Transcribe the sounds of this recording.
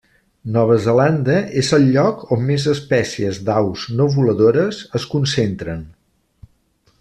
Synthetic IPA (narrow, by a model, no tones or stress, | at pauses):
nɔβ̞əzəland̪əʔezəlˠʎɔkomːezəspɛsiəzd̪awznoβuləðoɾəzəskunsent̪ɾən